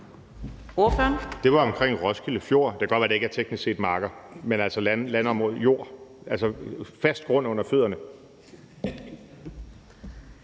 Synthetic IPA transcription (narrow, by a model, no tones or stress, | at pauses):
o̝ɐ̰føɐnd̥e̝ʋɑ̈ɒ̽mkʰʁeŋ̰ʁɒ̽sɡ̥iləfjo̝ɐ̰d̥eɡ̥ɒ̽d̥ʋæɐd̥ee̝ɡ̥æɐt͡sʰeɡ̥nisɡ̥se̝̰ːd̥mɑ̈ːɡ̥ɐmenælsɒllænɒmʁoð̰ˠjo̝ɐ̰ʔæl̰sɒfæsd̥ɡ̥ʁɔ̽n̰ɔ̽n̰ɐføð̰ˠɐnə